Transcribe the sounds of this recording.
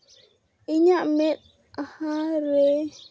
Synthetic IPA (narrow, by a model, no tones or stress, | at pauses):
iɲaʔmɛɗ | ahaɾɛ